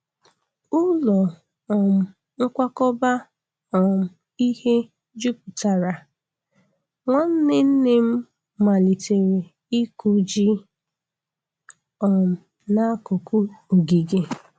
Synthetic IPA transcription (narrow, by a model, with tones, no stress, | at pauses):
ʊ˦lɔ˨ | ɔ˨m̩˨ | ŋ̩˦kʷa˦kɔ˦ba˦ | ɔ˨m̩˨ | i˦he˦ | d͡ʒu˦pu˨ta˨ɾa˨ | ŋɔ˦n̩˦nɪ˦n̩˦ne˦m̩˦ | ma˨li˨te˨ɾe˨ | i˦ku˨d͡ʒi˦ | ɔ˨m̩˨ | na˦kʊ˨ku˦o˨ɡi˨ɡe˨